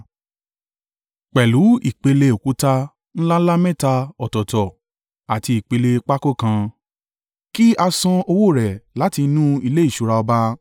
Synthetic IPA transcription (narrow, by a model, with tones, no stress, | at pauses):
k͡pɛ˨lu˨˦i˨k͡pe˧le˧o˨ku˨˦ta˦ | n̩˦la˦la˦mɛ̃˦˨ta˧ɔ˨tɔ˨tɔ˨ | a˨ti˧i˨k͡pe˧le˧k͡pa˦ko˦˨kã˧ | ki˦a˧sɔ̃˧o˧wo˦˨ɾɛ˨la˨˦ti˧˦nũ˦i˧le˦i˦˨ʃu˨˧ɾa˧ɔ˧ba˧